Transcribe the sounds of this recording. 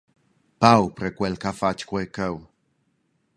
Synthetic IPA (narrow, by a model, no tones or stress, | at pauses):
pawpɾekʷelkafat͡ʃkʷekəw